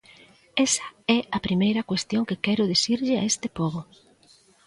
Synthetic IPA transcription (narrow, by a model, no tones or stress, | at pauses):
ɛsɐ̥ɛɐpɾimejɾɐkwest̪joŋkɪkɛɾʊðesiɾʎɪa̰est̪ɪpɔβʊ